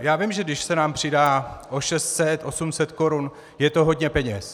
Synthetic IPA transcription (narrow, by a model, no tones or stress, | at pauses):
jaːvɪmʒɛɡdɪʃsɛnaːmpr̝̥ɪdaːʔoʃɛst̪sɛt̪ʔo̞sumsɛt̪ko̞ɾun | jɛt̪o̞ɦo̞dɲɛpɛɲɛs